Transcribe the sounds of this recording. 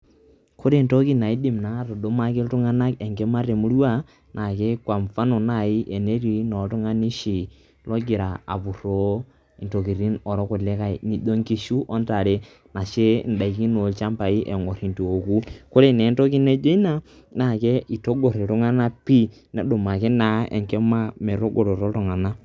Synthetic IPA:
kʰo˦ɾe˦˨nto˦ki˦na˨i˦di˨mna˦ɾo˨ɗo˦ma˦ke˦ltʊ˦ŋa˦na˦kɛ˨ŋɡe˦ma˦ɾe˨mu˦ɾa˦ | nʔa˨ke˦kwa˨mfa˦nɔ˨na˦˨ɪ˦ʔɛ˨ne˦ɾi˨˦nɔ˨tʊ˦ŋa˦ni˦ʃi˨ | lɔ˦ɡɪ˨ɾa˨a̰˨pu˨ɾo˦˨ | nto˨ki˨ɾi˦nɔ˨ɾɔ˦kʊ˨lɛ˦ka˨i˨ni˨do˦ŋki˦ʃu˦ʔɔ˦nta˨ɾe˦ | na˨ʃe˦n̩˨da˨i˨ki˦no˨lt͡ʃa˦mpa˨i˦ʔɛ˨ŋo˨ɾi˨ntu˨o˨ku˦kʊ˦ɾe˦˨nɛ˨˦n˦to˦ki˦ne˦d͡ʒe˦i˦na˦ | na˨ke˦ʔi˨to˦ɡo˨ɾe˨ɾʊ˦ŋa˦na˦pi˦ | nɛ˨˦dʊ˨ma˨ke˦na˨˦ɛ̰˨ŋkɛ˦ma˦mɛ˨ɾo˦ɡo˨ɾo˨ɾo˦tʊ˨ŋa˨na˦

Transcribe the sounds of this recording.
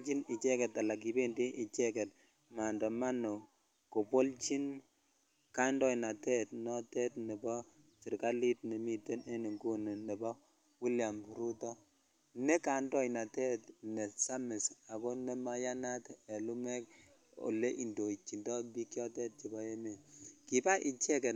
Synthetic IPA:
t͡ʃi˦ni˨t͡ʃɛ˦kɛ˨ta˨la˨k̬i˨be˦ndi˦ʔi˨t͡ʃɛ˦kɛ˨t̚ | ma˨ndɔ˨ma˦no˨ | ko˨po˦lt͡ʃi˦n | ka˦ndɔ˦jna˨tɛ˦tnɔ˦tɛ˦tnɛ˨bɔ˦ | t͡ʃi˨ɾka˦li˦tne˨mi˦te˦ne˦ni˨ŋɡu˦n˨nɛ˨bɔ˦ | wi˦lja˨m˨ɾu˦tɔ˦ | ne˦ka˨ndɔ˦jna˨tɛ˦tnɛ˨sa˦mɪ˨sa˨ko˦nɛ˦ma˦ja˦na˦tɛ˨lu˦mɛ˦k̚ | o̰˨le˦ʔi˨ndo˨i˨t͡ʃi˨ndɔ˦bi˦kjɔ˦tɛ˦t̚t͡ʃi˨bɔ˦e˦me˨ki˨ba˦ʔi˨t͡ʃɛ˦kɛ˨

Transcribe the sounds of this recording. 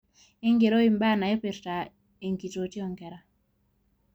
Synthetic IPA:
e˦ŋɡe˨ɾo˦i˨mba˦na˨e˦pe˨ɾta˨ | e˨ŋki˨to˨ti˦ɔ˨ŋkɛ˨ɾa˨

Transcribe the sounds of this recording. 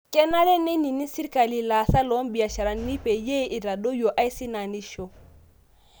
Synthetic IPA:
kɛ˦na˦le˦ne˦ni˨ni˦si˦ɾka˨li˨la˨sa˦lɔ˨˦mbi˨a˨ʃa˨ɾa˨nːi˦pe˨je˦ʔi˨ɾa˨do˦jo˨ʔa˦i˦si˦na˨ni˦ʃo˨

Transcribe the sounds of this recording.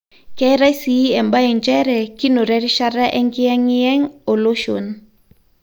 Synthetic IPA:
kɛ˦ɾa˦si˨˦ɛ˨mba˦ɛ˨nd͡ʒɛ˦ɾɛ˨ki˦no˨ɾɛ˨˦ɾi˦ʃa˦ɾa˦ʔɛ˦ŋɡi˦ɛ˦ŋi˦jɛ˦ŋo˨lo˦ʃo̰˨n

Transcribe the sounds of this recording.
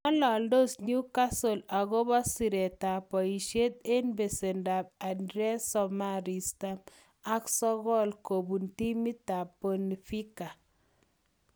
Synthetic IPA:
ɔ˦lɔ˨ldo˦sɲu˦ka˦so˨la˨ɣo˦bɔ˦si˨ɾe˨ta˨pɔ˨i˨ʃe˦t̪̚e˦nbe˨se˨nda˨b̚a˨ndɾɛ˦sɔ˨ma˨ɾi˨sta˦m | a˦ksɔ˦ɣɔ˦lko˨bu˨nti˦mi˦tːa˨po˨ni˨fi˦ka˨

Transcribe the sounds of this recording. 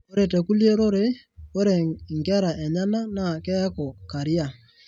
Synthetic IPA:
o˦ɾe˨tɛ˨ku˦lje˦ɾo˦ɾe˦ | o˦ɾe˨ŋɡɛ˦ɾa˨ʔe˨ɲa˦na˦na˨kɛ˦ko˨ka˨ɾi˦a˨

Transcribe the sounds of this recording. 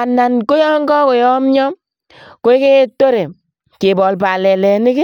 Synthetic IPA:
a˨na˨nko˦jɔ˦ŋɡɔ˦ko˨jɔ˦mɲɔ˦m | ko˦ɪ˦ke˦to˦ɾe˨ | ke˨bɔ˨lpa˨lɛ˨lɛ˨nɪ˦kɪ˦

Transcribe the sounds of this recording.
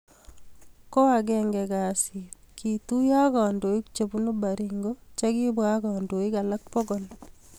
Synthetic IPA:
ko˦a˨ɡɛ˨ŋɡɛ˨ɡa˨si˨t | kʰi˨t̪u˦ja˦ka˨ndo˨i˦kt͡ʃe˨bu˦no˦ba˨ɾi˨ŋɡo˦t͡ʃa˦ɡɪ˦bwa˦ɡɔ˨ndo˨ɪ˦ka˨la˦k̚po˦ɡo˨l

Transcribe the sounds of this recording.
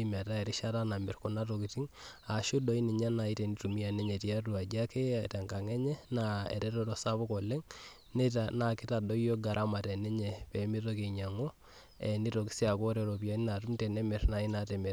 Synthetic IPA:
m˨a˨ta˦ɛ˨ɾi˦ʃa˦ta˦na˨mɛ˨rko˨na˦to˨ki˨ti˦ŋa˨ʃu˦do˨˦i˦ni˨ɲa˦na˨i˦te˨ni˦tu˨mi˦a˨ne˦ɲe˨ti˨a˦tu˨a˨d͡ʒa˦ke˦a̰˨ta˨ŋka˨ŋɛ˦ɲɛ˦naḛ˨ɾɛ˦to˦ɾo˨sa˦pɔ˦ko˨le˦ŋ | netana˨ki˦ta˨dɔ˦ijo˦ɡa˨ɾʔa˦ma˨te˨ne˦ɲe˨pe˨˦mi˦to˦ke˨ɲa˨ŋo˦ | e˨ni˦to˨ki̥˦si˦a˨ko˦ɾe˨ɾo˨pja˦ni˦na˨tu˦mtɛ˨nɛ˦me˨ɾna˨˦i˦natɛ˨me˨ɾ

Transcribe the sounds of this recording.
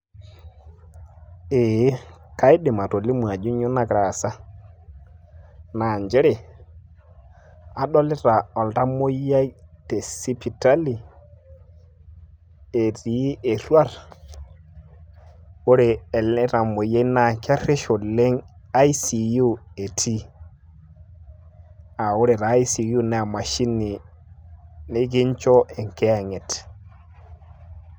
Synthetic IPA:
e˨˦ka˦jɗe˨ma˨to˨li˦mu˨a˨d͡ʒu˦ɲo˦na˨kɾa˨sa˦ | na˨nd͡ʒe˦ɾe˨ | a˨˦ɗɔ˦lɪ˦ɾa˨ɔ˨lta˦mo˦ja˦jte˨si˦pʰi˨ta˦li˨ | e˨ɾi˨˦ʔe˨ɾwa˦˨ɾ | o˦ɾeː˨lɛ˦ɾa˨mo˨ja˦na˨ka˦ɾe˦ʃo˨le˦ŋa˦i˦si˨ju˦e˨tʰi˦ | a˨o˦ɾe˨ɾaː˨˦jsi˨ju˦ne˨a˨ma˨ʃi˦ni˨ | ne˦ɡi˦ɲt͡ʃɔ˦ʔe˨ŋke˦a˦˨ŋe˨t

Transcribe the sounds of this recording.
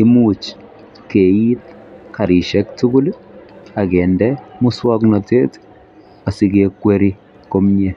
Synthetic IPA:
i˦mut͡ʃ | ke˨it̚ka˨ɾi˨ʃɛ˦k̚tu˦ɡʊ˦la˨kɛ˨ndɛmʊ˦swa˦knɔ˨te˦t | a˨si˦kekːwe˦ɾi˦ | ko˦mɲɛ˦

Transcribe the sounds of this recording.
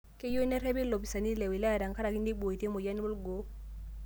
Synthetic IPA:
ke˦jo˦ne˦ɾe˦bi˦lo˨pi˨sa˨ni˦le˨wi˨la˦˨ɾa˨ŋ˨ka˦ɾa˨ki˦ndi˦bo˨i˨ti˦mo˨ja˦ni˦bo˦lɡo˨˦

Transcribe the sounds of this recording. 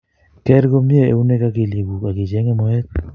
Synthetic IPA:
kɛ˦ɾɡo˦mje˦ḛ˨u˦ne˦ka˦ke˨le˨ɡu˨ka˨ɡɪ˨d͡ʒɛ˦ŋɛ˦mɔ˦ɛ˦t̪̚

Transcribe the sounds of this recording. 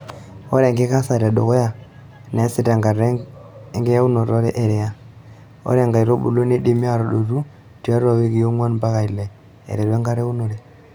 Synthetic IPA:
ɔ˦ɾɛ˨ŋɡe˦ka˦sa˨ɾa˨ɗo˨ɣɔ˦ja˦˨ | nɛ˨˦sɪ˦˨ta˨ŋɡa˨ɾɛ˦ŋɡɛ˦ja˦u˦nɔ˨ɾɔ˦ɾɛ˦ʔɛ˨ɾɛ˨ja˦ | ɔ̰˦ɾɛ˨ŋɡa˨i˨ɾɔ˦bṵ˨lo˦ne˦ɗe˦mi˦a˦ɾɔ˨ɗo˨ɾu˦ | tu˨a˦ɾa˨we˦ki˨jo˦ŋwa˦nmba˦ɣa˨i˨lɛ˨ | ɛ̰˨ɾɛ˨ɾwɛ˦ŋɡa˦ɾɛ˦u˦nɔ˨ɾɛ˦˨

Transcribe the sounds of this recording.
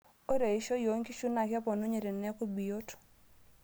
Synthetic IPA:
o˦ɾe˨i˦ʃo˦jo˨˦ŋki˦ʃu˦na˨kɛ˦pɔ˨no˦ɲe˨ɾe˨nːɛ˦ko˦bi˨jo˦t

